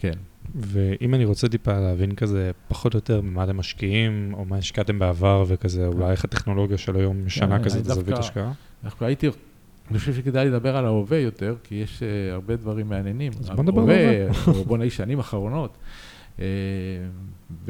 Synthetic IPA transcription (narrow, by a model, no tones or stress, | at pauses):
kenveʔimaniʁot͡sed̪ipaleavinkaze̞paχo̞tjo̞te̞ʁmimat̪emːaʃkiimo̞maiʃkat̪e̞mbeavaʁvekazeulajeχat̪e̞χno̞lo̞ɡjaʃelojo̞mʃanakazetzavitaʃkaa | dafkaait̪i | aniχoʃevʃeked̪ajled̪abe̞ʁalaovejo̞te̞ʁkijeʃeaʁbe̞d̪vaʁimːeanje̞nimazond̪aeveabonaiʃanimaχaʁo̞no̞t̪ | e | v